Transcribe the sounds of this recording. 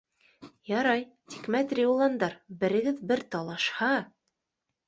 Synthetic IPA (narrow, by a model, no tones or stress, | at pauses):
jɑɾɑj | t̪ʲi̥kmæt̪rʲiulˠɑnd̪ɑɾbɘ̆ɾɘ̆ɡɘðbɘɾt̪ɑlˠɑʃhɑ